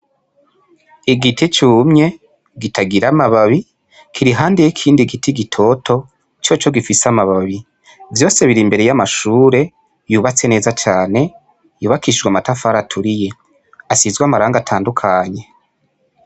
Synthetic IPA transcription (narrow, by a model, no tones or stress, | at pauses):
iɡitʰit͡ʃuːmɲe̞ | ɡitʰaɡiɾamaβaβi | kʰiɾiɦaːndejikʰiːndiɡitʰiɡitʰo̞tʰo̞ | t͡ʃo̞t͡ʃo̞ɡifisamaβaβi | vjo̞ːse̞βiɾimbe̞ɾe̞jamaʃuːɾe̞ | juːβat͡se̞ne̞ːzat͡ʃaːne̞ | juːβakiʃid͡ʒɡwamatafaːɾatʰuɾije̞ | asizɡwamaɾaːŋɡatʰaːndukʰaɲe̞